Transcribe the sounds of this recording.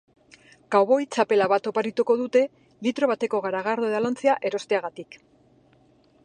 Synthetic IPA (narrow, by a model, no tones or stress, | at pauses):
ɡ̥awβojt͡ʃape̞laβat̪o̞paɾit̪uko̞ðut̪e̞ | lit̪ɾo̞β̞at̪e̞ko̞ɣaɾaɣ̞aɾðoeðalant͡seaʔe̞ɾo̞st̪eaɣat̪ik